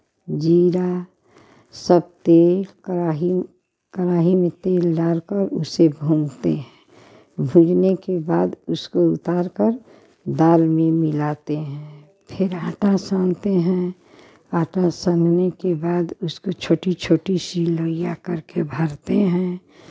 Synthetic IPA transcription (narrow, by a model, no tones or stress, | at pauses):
d͡ʒiːɾa | səb̚t̪eːl | aɦi | kəɾaːɦimẽt̪eːlɖaːɾkəɾʊ̰sebʱũːmt̪eɦɛ̃ː | bʱũd͡ʒnekebaːd̪ʊskoʊ̰t̪aːɾkəɾ | d̪aːlmẽmɪlaːt̪eɦɛ̃ː | pʰɪɾaːʈasãːnt̪eɦɛ̃ | aːʈasə̃nnekebaːd̪ʊskot͡ʃʰoːʈit͡ʃʰoːʈisiloːjakəɾkebʱəɾt̪eɦɛ̃ː